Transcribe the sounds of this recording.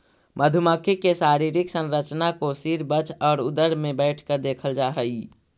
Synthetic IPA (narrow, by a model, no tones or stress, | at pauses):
məd̪ʱʊməkʰikesaːɾiːɾiksə̃nɾət͡ʃnakosiɾbət͡ʃʰɔːɾʊd̪əɾmẽbɛɪʈʰkəɾd̪eːkʰəld͡ʒaːɦəi